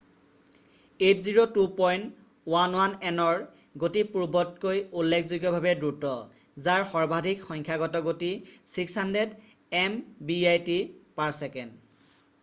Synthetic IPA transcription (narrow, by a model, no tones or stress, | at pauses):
etziɹotupɔjnt | wanwanɛnɔɹ | ɡotipuɹbɔtkojulːekʰzoɡjɔbʱabɛdɹutɔ | zaɹxɔɹbʱadʱikxɔŋkʰjaɡɔtɔɡotisikshanded | ɛmbiajtipaɹsɛkɛn